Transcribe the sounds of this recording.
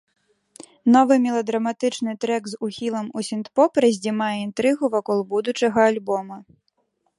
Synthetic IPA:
nɔʋɨmʲilˠɐd̪ɾɐmat̪ɪt͡ʃnɨt̪ɾɛkzuxʲilˠɐmusʲint̪pɔpɾɐzʲdʲimajɛint̪ɾɪɣʊʋɔkɔlˠbud̪ʊt͡ʃɐɣɐːlʲbɔmɐ

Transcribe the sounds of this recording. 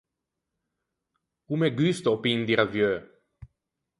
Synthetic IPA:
kumeɡyst̪opind̪iɾavjø

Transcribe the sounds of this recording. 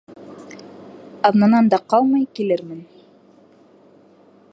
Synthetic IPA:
ɑðnɑnɑnd̪ɑqɑlˠmɤjkilɘɾmɘn

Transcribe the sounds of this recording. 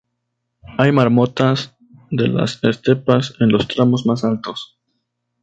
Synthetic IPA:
ajmaɾmot̪as | ðe̞la̰sest̪e̞pase̞nlo̞st̪ɾamo̞zmasalt̪o̞s

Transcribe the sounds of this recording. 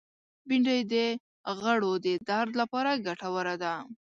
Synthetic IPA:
biɳɖəjd̪ə | ɣəɽod̪əd̪aɾd̪lapɑɾaɡaʈawəɾad̪a

